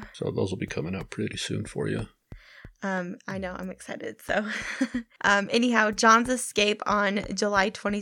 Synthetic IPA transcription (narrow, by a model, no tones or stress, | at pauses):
soʊðo̰ʊzl̩ˠbikʰʌmɪ̃ŋʌp̚pʰɹ̥ɪɾisʉ̰̃nfə̰˞jʉ̰ | ʌ̃maɪnoʊã̰ɪ̃mɨksaɪɾɨ̰d̥soʊ | ʔʌ̃mʔɛniɦaʊd͡ʒɑ̃nzɨskeɪpn̩d͡ʒəlaɪtʰw̥ɛ̃ɾ̃i